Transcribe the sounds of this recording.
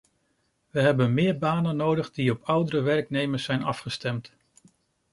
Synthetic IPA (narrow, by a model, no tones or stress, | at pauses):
ʋəɦɛbənmɪːɹbaːnənowdəχdiɔpʌwdəɾəʋɛrknejməɹsɛjnɑfχəstɛmt